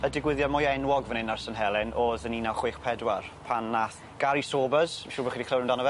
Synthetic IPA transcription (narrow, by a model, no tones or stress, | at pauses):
ədɪɡwɪðjɔdmʊjɛnwɔɡvənɪnarsənɦɛlˠɪnʔoːðəninawχweːχpʰɛdwarpʰanːaθ | ɡ̥aɾisoːbəz̥maʃuːrbχiːdikʰləwnɪmndanɔvɛ